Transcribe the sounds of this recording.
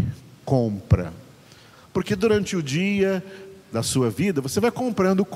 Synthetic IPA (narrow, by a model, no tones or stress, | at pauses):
kõpɾɐ̰ | poɾked̪uɾɐ̃nt͡ʃɪʊd͡ʒiɐd̪ɐsuɐvid̪ɐvosevajkõmpɾɐ̃nd̪ʊk